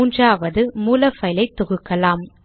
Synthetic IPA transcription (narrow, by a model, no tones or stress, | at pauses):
uːndraːʋɐðɯmuːlɐfɐɪlɐɪt̪ːɔɣɯkːɐlaːm